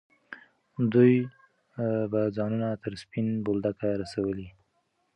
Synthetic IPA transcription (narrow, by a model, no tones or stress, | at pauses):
d̪uj | bad͡zɑnunat̪əɾspinbold̪akaɾasawəli